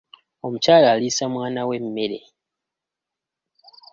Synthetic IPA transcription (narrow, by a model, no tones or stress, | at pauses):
o̞mucaːlaːlisamwaːnawe̞mːe̞ɾe̞̰